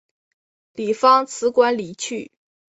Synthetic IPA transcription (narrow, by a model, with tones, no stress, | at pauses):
li˨˩fɑ˥ŋt͡sʰɹ̩˧˥kwa˥nli˨˩t͡ɕʰy˥˩